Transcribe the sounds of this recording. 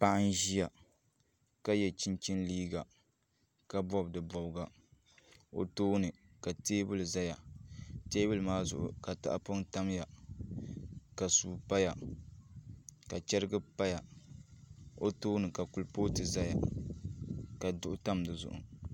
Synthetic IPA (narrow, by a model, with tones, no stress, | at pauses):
pa˨ʔɪ˦nʒi˦ja˨ | ka˦jɛ˨t͡ʃi˦n˦t͡ʃi˦nliː˦ɡa˨ | ka˦bɔ˦bdɨ˨bɔ˨bɡa˨ | o̰˨toː˦nɨ˨ | ka˨teː˦bɨ˦lɨ˨za˦ja˨teː˦bɨ˦lɨ˨maː˦zʊ̰˨ʔʊ̰˨ka˨ta̰˦ʔa̰˦po˦ŋta˦m˦ja˨ | ka˨suː˨pa˦ja˨ | ka˨t͡ʃɛ˦ɾɨ˦ɡɨ˦pa˦ja˨ | o˦toː˦nɨ˨ka˨ku˨lpoː˦tɨ˨za˦ja̰˨ | ka˨dʊ˦ʔʊ˦ta˦m˦dɨ˨zʊ̰˨ʔʊ̰˨